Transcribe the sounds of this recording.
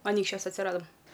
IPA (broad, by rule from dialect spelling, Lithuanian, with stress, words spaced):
ɐˈnʲiːkʃʲt͡ʃʲuɔs ɐtʲsʲɪˈrɑːdɐm